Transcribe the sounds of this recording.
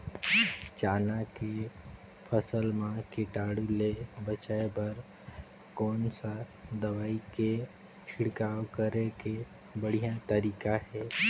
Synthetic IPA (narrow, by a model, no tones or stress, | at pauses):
t͡ʃaːnake | pʰəsəlmãkɪʈaːɽulebət͡ʃaebəɾ | kɔːnsad̪əʋaːike | t͡ʃʰɪɽkaːwkəɾeke | bəɽ̤ijat̪əɾiːkaɦɛː